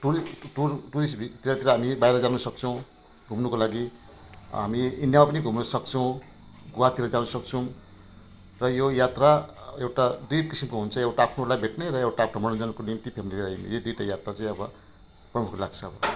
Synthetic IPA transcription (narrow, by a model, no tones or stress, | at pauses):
ʈuɾiʈurʈuɾisʈbʱit̪iɾat̪iɾʌɦamibajɾʌd͡zanusʌk̚t͡sʰʌw̃ | ɡʱumnukolaɡi | ɦa̰miinjamapʌniɡʱumnʌsʌkt͡sʰʌw̃ | ɡuwat̪iɾʌd͡zanusʌk̚t͡sʰʌw̃ | rʌjojat̪raewʈad̪ip̚kisimkoɦunt͡sʰʌewʈaːpʰnuuɾlajbʱeʈneɾʌewʈaːpʰnamʌnʌd͡zʌnkonimt̪ipʰemilileʌjnḭjod̪ijʈajat̪rat͡saĩʌbʌ | prʌmukʰlaɡt͡sʰʌʌbʌ